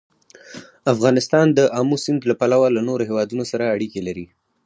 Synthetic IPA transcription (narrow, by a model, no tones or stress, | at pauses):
afɣɑnɪst̪ɑnd̪əʔɑmusɪnd̪lapalawalanoɾoɦewɑd̪unosaɾaːɽikelaɾi